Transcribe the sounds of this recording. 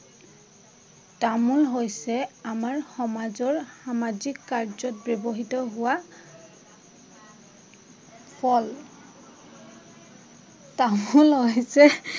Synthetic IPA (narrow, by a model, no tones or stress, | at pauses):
tamulɦojsɛamaɹxɔmazɔɹxamazikːaɹzɔt̚bɔbɔɦitɔɦʊwa | pʰɔl | tamulɦojsɛ